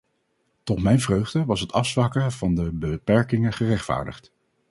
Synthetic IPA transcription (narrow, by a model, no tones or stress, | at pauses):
tɔtmɛjnvrøɥχdəʋɑsɦətɑfsʋɑkəv̥ɑndəbəpɛɹkɪŋəχərɛχtfa̰ːɹdəχt